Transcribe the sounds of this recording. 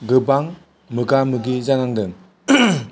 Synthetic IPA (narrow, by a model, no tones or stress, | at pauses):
ɡɯbaŋ | mɯɡamɯɡizanaŋdɯŋ